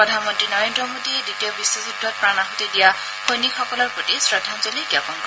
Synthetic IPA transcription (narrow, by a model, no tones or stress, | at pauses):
pɹɔdʱanmɔntɹinɔɹendɹɔmodieditijɔbiswɔzudʱːɔt̚pɹanaɦutidija | hojnikʰɔkɔlɔɹpɹotisɹad̪ʱanzolikjapɔnkɔ